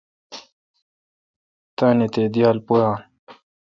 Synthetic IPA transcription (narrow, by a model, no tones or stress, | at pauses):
t̪aːnet̪ed̪ijaːlpujãːn